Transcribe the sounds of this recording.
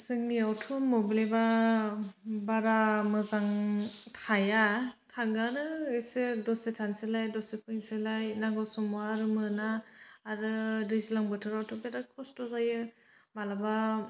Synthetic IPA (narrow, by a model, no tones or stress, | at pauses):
zɯŋliawtʰumobileba | baɾamɯzaŋtʰajatʰaŋɡanɯesedɔsetʰanselajdɔsepʰɯjnselajnaɡɔsɔmuaːɾɯmɯnaːɾɯɾizlaŋbɯtʰɯɾawtʰɔbeɾakʰɔstɔzajɯ | malaba